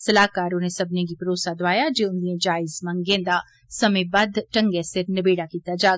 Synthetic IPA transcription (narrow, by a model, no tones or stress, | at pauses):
sɐlaːkaːɾõnesɐbnẽɡipɐɾoːsad̪ʋaːjad͡ʒeʊnliẽd͡ʒaːɪzmɐ̃ŋɡẽːnd̪a | sɐmebɐd̪ʱʈɐ̃ŋɡesɪɾnɐbeːɽakiːt̪ad͡ʒaːɡ